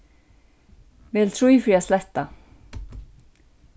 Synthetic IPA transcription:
vɛːlt̪ʰɾujfɾiaslɛht̪a

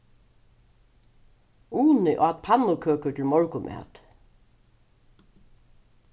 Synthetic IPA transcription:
uːnɪʔɔ̰at̪̚pʰanːʊkʰøːkʏt̪ʰɪl̩mɔɹkʊmʔɛ̰ːt̪

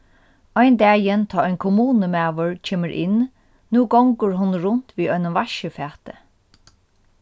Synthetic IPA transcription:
ɔjnd̪æːjənt̪ʰɑːɔjnkʰʊmuːnəmɛːʋʊɹcʰeːməɹʔɪ̰n | nuːɡɔŋkʊɹɦʊnɾʊnt̪ʋiːɔjnʊmʋaʃəfæːt̪ə

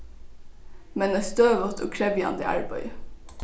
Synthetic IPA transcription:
mɛnæst̪øːʋəʁt̪ʰo̰ːkʰɽɛʋjɑ̰nd̪ɪ̰ʔɑ̰ɹbœ̰ʏ

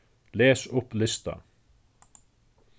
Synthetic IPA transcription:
lɛːsʊplɪst̪a̰

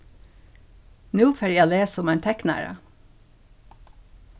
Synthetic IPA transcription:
nʉːfɛɾjæoːleːsɔmæɪnt̪ʰɛknæ̰ɹə̰

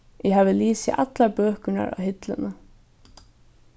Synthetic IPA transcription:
jɛɦaːvɪliːsɪ̰ʔat̪laɾpœːhkʏna̰ɾa̰whɪt̪lɪnə

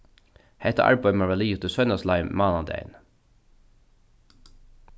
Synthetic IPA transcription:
hæɪt̪ə̰ʔɑ̰ɹbɑɪmɑʋɑliːʊt̪əsœʏnɑslɑɪmɑːnɑd̪ḛɪ̰n

